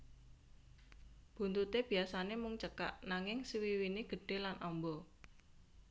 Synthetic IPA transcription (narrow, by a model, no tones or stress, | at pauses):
b̥ṳnt̪ut̪eb̥i̤asanemʊŋt͡ʃəka̰ʔnaŋɪŋsiwiwineɡ̥ə̤ɖ̥e̤lanʔɔmbɔ